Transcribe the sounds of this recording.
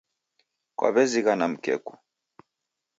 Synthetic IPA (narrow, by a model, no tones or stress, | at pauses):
kwʔa̰βɛziɣanam̩kɛ̰ku̥